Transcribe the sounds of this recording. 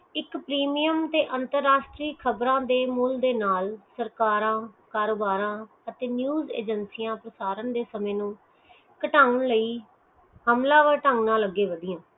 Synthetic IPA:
ɪkpɾiːmijəmt̪eːʔənt̪əɾːaːʃʈɾiːkʰəbɾãːd̪eːmʊld̪eːnaːlsəɾkaːɾãːkaːɾoːbaːɾãː | ət̪eːnjuːzḛːd͡ʒənsiːjãːpɾəsaːɾənd̪eːsəmẽːnũː | kəʈaːʊɳləiː | həmlãːʋəʈə̃ŋɡnãːləɡːeːʋəd̪ɪjãː

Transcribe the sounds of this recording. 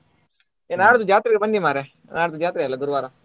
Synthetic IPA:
enaːɽt̪ud͡ʒjaːt̪ɾikebɐnːimaːɾe | naːɽt̪ud͡ʒjaːt̪ɾialoɡʊɾʋaːɾa

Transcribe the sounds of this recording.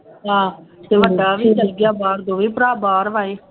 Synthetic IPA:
ɦãːt̪eːʋəɖaːʋiːd͡ʒəɡɪjaːbaːɾd̪õːʋiːpəɾaːbaːɾʋaːeː

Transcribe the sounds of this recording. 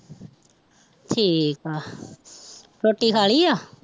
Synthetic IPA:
ʈʰiːkaː | ɾoːʈːiːkʰaːɭiːaː

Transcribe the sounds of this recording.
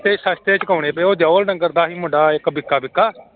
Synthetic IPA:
t̪eːsəst̪eːt͡ʃkəːɽeːpeoːd͡ʒaːlnəŋɡəɾd̪aːɦiːmʊɖaːɪkbɪkːaːbɪkːaː

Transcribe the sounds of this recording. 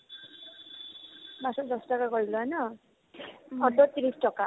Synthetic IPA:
masɔd̪ɔstɔkaɡɔɹilɔanʌ | ɔdɔt̪iɾisʈɔka

